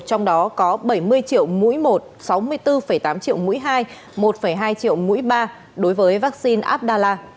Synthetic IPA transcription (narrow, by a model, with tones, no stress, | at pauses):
t͡ɕɔ˧wŋ͡mɗɔ˨˦kɔ˨˦ɓə˧˩jmɨ˧əjt͡ɕḭ˧˨əwmṵ˧˥jmo˨˩t̚sa˨˦wmɨ˧əjt̪ɨ˧fə˧˩jt̪aː˨˦mt͡ɕḭ˧˨əwmṵ˧˥jɦaː˧j | mo˨˩t̚fə˧˩jɦaː˧jt͡ɕḭ˧˨əwmṵ˧˥jɓaː˧ | ɗo˨˦jvəː˨˦jvaː˦˥k̚si˧nʔaː˦˥p̚ɗaː˧laː˧